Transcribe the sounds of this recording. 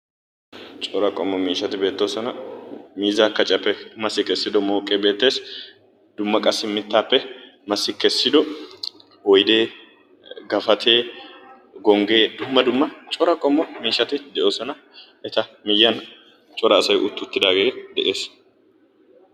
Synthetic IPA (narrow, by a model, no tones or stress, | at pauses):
t͡ʃʼɔɾɐkʼɔmːɔmiːʃɐt̪ɪbe̞ːt̪ːo̞ːsɔnɐmiːzaːkɐt͡ʃʼɐpːɛmɐsːɪkɛsːɪd̪ɔmo̞ːkʼːeːbe̞ːt̪ːe̞ːs | d̪ʊmːɐkʼɐsːɪmːɪt̪ːaːpːɛ | mɐsːɪkɛsːɪd̪ɔ | hɔjd̪e̞ː | ɡɐfɐt̪ʰe̞ː | ɡɔŋɡe̞ːd̪ʊmːɐd̪ʊmːɐt͡ʃʼɔɾɐkʼɔmːɔmiːʃːɐt̪ɪd̪ɛʔo̞ːsɔnɐ | ʔɛt̪ɐmɪjːɐn | t͡ʃʼɔɾɐːsɐjʔʊt̪ːʊt̪ːɪd̪aːɡeːd̪ɛʔe̞ːs